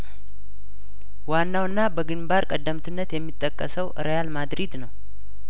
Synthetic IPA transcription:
wanːawɨnːabəɡɨnbaɾkʼəd̪ːəmt̪ʰɨnːət̪jɛmːit̪ʼːəkʼːəsəwʔɨ̰ɾəjalmad̪ɾid̪nəw

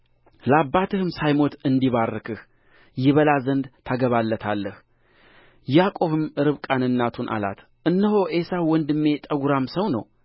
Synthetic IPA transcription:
ləabːat̪ʰɨhɨmsajmo̞t̪ɨnd̪iβarːɨkʰɨh | jɪβəlazənd̪t̪ʰaɡəβalːət̪ʰalːəh | jakʼo̞βɨmɨɾɨβkʼanɨnːat̪ʰunʔa̰la̰t̪ | ʔɨnːəɦo̞ʔe̞sawɔnd̪ɨmːe̞t̪ʼəɡuɾamsəwnə̰w

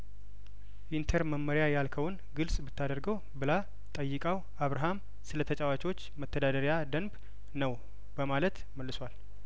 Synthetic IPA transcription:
ʔint̪ʰəɾməmːəɾjajalkʰəwʊn | ɡɨlsʼbɨt̪ʰːad̪əɾɡəw | bɨla | t̪ʼəjːɨkʼaw | aβɾaɦam | sɨlət̪ʰət͡ʃʼawat͡ʃʼwot͡ʃːmət̪ːəd̪ad̪əɾjad̪ənb | nəw | bəmalət̪ | məlːɨswal

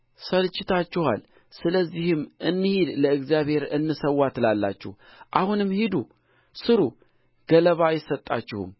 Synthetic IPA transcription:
səlɨt͡ʃːɪt̪ʰat͡ʃːɛha̰l | sɨləzːihɨmʔɨnːɨhid̪ləɨkzjaβhe̞ɾɨnːɨsəwːat̪lalːa̰t͡ʃːɛ̰h | ʔahunɨmhid̪u | sɨɾu | ɡ̥ələβajɪsət̪ʼːa̰t͡ʃːɪhɨ̰m

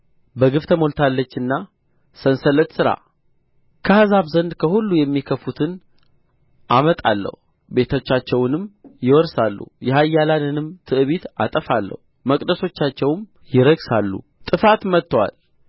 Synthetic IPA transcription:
bəɡɨft̪ʰəmo̞lt̪ʰalːət͡ʃːɨnːa | sənsələt̪sɨɾa̰ | kʰəhazaβzənd̪kʰəhulːujɛmːikʰəfut̪ʰɨn | ʔamət̪ʼa̰lːə̰hu | be̞t̪ʰo̞t͡ʃːat͡ʃːɛwnɨmjɪwɔɾsalːṵjɛhajːalanɨnɨmt̪ʰɨʔɨβit̪a̰t̪ʼəfalːə̰hu | məkʼd̪əso̞t͡ʃːat͡ʃːɛwm | jɪɾəɡsalːṵ | t̪ʼɨfat̪mət̪ːwa̰l

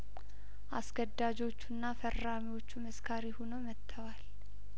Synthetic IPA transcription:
ʔaskʰəd̪ːad͡ʒo̞t͡ʃːunːafərːamiwo̞t͡ʃːuməskʰaɾihonomət̪ʰːəwal

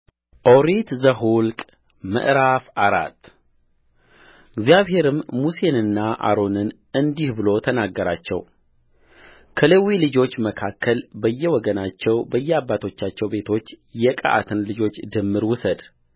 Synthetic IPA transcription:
ʔo̞ɾit̪zəɦulkʼ | mə̰ʔɾafaɾa̰t̪ː | ɪɡzjaβhe̞ɾɨmːuse̞nɨnːaʔa̰ɾo̞nɨn | ɨnd̪ihbɨlo̞t̪ʰənaɡːəɾat͡ʃːɛ̰w | kʰəlewilɨd͡ʒo̞t͡ʃːməkʰakːəlbəjːɛwɔɡənat͡ʃːɛwbəjːɛabːat̪ʰo̞t͡ʃːat͡ʃːɛwbe̞t̪ʰo̞t͡ʃːjɛkʼa̰ʔa̰t̪ʰɨnlɨd͡ʒo̞t͡ʃːd̪ɨmːɨɾwʊsəd̪

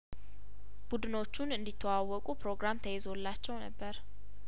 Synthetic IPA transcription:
b̥ud̪ɨno̞t͡ʃːunɨnd̪it̪ʰːəwawːɔkʼupɾo̞ɡɾamt̪ʰəjezolːat͡ʃːɛwnəbːəɾ

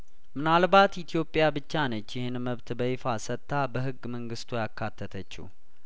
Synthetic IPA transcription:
mɨnalbat̪jit̪ʰijo̞pʼːjabɨt͡ʃːanət͡ʃːjɛhenməβt̪bəɪfasət̪ːabəɦɨɡːməŋɡɨst̪ʰujakʰːat̪ʰːət̪ʰət͡ʃːḭ

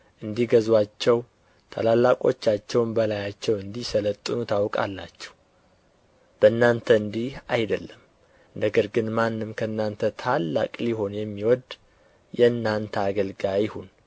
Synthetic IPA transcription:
ʔɨnd̪ihɡəzwat͡ʃːɛw | t̪ʰa̰lalːakʼo̞̰t͡ʃːat͡ʃːɛwmbəlajat͡ʃːɛwɨnd̪isələt̪ʼːɨnut̪ʰawkʼa̰lːat͡ʃːɛ̥w | b̥ənːant̪ʰəɨnd̪ihajd̪əlːəm | nəɡəɾɡɨnmanːɨmkʰəɨnːant̪ʰət̪ʰalːa̰kʼliho̞njɛmːiwɔd̪ | jɛnːant̪ʰəaɡəlɡajɪhun

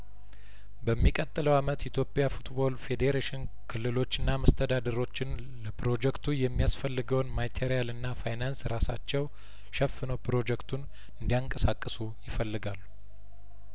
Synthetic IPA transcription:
bəmːikʼət̪ʼːɨləwamət̪it̪ʰjo̞pʼjafut̪bo̞lfe̞d̪eɾeʃɪn | kʰɨlːɨlo̞t͡ʃːɨnːaməst̪ʰəd̪ad̪əɾo̞t͡ʃːɪn | ləpɾo̞d͡ʒɛkt̪ʰujɛmːijasfəlːɨɡəwnmajt̪ʰeɾijalɨnːafajnansɾasat͡ʃːɛw | ʃɛfːɨnəwpɾo̞d͡ʒɛkt̪ʰun | ɨnd̪ijaŋkʼəsakʼːɨsujɪfəlːɨɡalːu

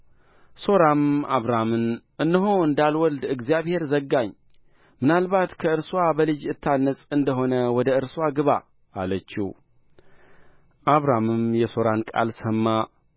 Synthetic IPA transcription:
so̞ɾamaβɾamɨnʔɨnːɨɦoɨnd̪alwɔld̪ɨɡzijaβhe̞ɾzəɡːaɲː | mɨnalbat̪kʰəɨɾswabəlɨd͡ʒɨt̪ʰːanːəsʼɨnd̪əɦo̞nəwɔd̪əɨɾswaɡɨβa | ʔːlət͡ʃːḭ | ʔaβɾamɨmjɛso̞ɾankʼa̰lsəmːa

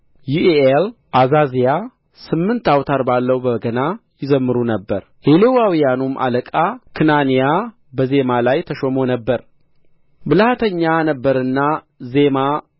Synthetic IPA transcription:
juʔeʔel | ʔazazija | sɨmːɨnt̪awt̪ʰaɾbalːəwbəɡənajɪzəmːɨɾunəbːəɾ | helewawijanumʔa̰ləkʼakʰɨnanija | bəze̞malajt̪ʰəʃomo̞nəbːəɾ | bɨlhat̪ʰəɲːanəbːəɾɨnːa | ze̞ma

